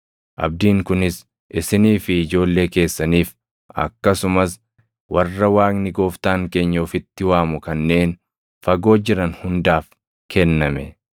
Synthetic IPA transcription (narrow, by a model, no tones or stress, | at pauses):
ʔɐ̰b̚d̪iːŋkʊnɪs | ʔɪsɪniːfɪːd͡ʒo̞ːlːeːke̞ːsːɐniːf | ɐ̰kːɐsʊmɐs | wɐrːɐwaːknɪɡo̞ːft̪aːŋke̞ːɲːoːfɪt̪ːɪwaːmʊkɐnːe̞ːn | fɐɡo̞ːd͡ʒɪɾɐnhʊnd̪aːf | kʰɛnːɐmɛ